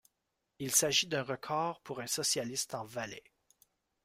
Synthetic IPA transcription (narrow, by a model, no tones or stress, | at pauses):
ilsaʒid̪ɛ̃ʁəkʰɑːʁpuʁɛ̃sɔsjalist̪ɑ̃valɛ